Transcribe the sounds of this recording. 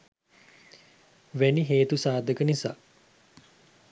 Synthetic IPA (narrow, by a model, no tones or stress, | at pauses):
ʋeniɦeːt̪usaːd̪əkənisa̰ː